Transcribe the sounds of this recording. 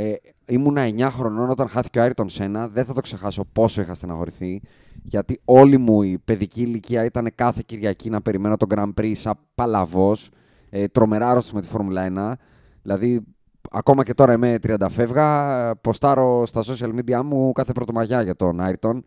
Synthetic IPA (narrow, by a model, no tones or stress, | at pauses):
imunɐe̞ɲɐxɾo̞no̞no̞t̪ɐnxɐθi̥ceoɐiɾt̪onse̞nɐðenθɐt̪o̞kse̞xɐso̞po̞so̞ixɐst̪enɐxo̞ɾiθi | ʝɐt̪io̞limuipe̞ðiciːliciɐit̪ɐne̞kɐθe̞ciɾʝɐcinɐpe̞ɾime̞no̞t̪o̞ɡɾɐmbɾisɐpɐlɐvo̞s | et̪ɾo̞me̞ɾɐɾo̞st̪isume̞t̪i̥fo̞ɾmulɐenɐ | ðilɐði | ɐ̰ko̞mɐce̞t̪o̞ɾɐime̞t̪ɾiɐnd̪ɐfe̞vɣɐpo̞st̪ɐɾo̞st̪ɐso̞siɐlmid̪iɐmukɐθe̞pɾo̞t̪omɐʝɐʝɐt̪o̞nɐiɾt̪o̞n